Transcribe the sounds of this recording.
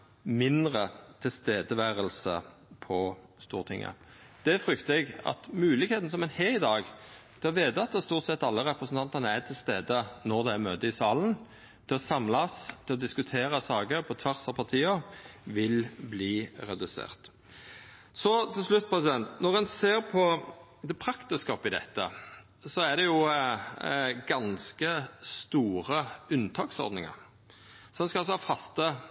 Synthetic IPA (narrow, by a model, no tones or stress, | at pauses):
mɪnd̪ʁət̪ʰɪlst̪eːd̪əʋæːʁəlsə̰pʰɔst̪ṵːʁt̪ʰɪ̰ŋːə̰d̪̥ɛfʁʏkt̪əɛɡɑ̰t̪mʉːlɪkeːt̪n̩sɔmɛɪnheɪd̪ɑːɡt̪ʰɛɑʋeːd̪ɑt̪ːəst̪uːʁt̪sɛt̪ːɑlːəʁɛpʁəsn̩t̪ʰɑnt̪əʁnəæt̪ʰɪlst̪eːd̪ənɔʁd̪ɛæmøːt̪əɪsɑːlən̩ | t̪ʰɛɔsɑmlɑst̪ʰɪlɔd̪ɪskʉt̪ʰeːɾəsɑːɡəɾpʰɔt̪ʰʋæʁsɑpʰɑʁt̪ʰiːɑʋɪlbliːʁɛd̪ʉsḛːʁt̪ | sɔt̪ʰɪlslʉt̪̚ːpʰʁɛsɪd̪ɛnt̪nɔʁɛnseːʁpʰɔ | d̪ɛpʰɾɑkt̪əskɑːpɪd̪ɛ̰t̪ːə̰ | sɔæd̪ɛjʊ | ɡɑnskəst̪uːɾəʉnt̪ʰɑːksɔ̰ʁd̪nɪŋə̰ɾ | sɛnskɑlsɔhɑfɑst̪ə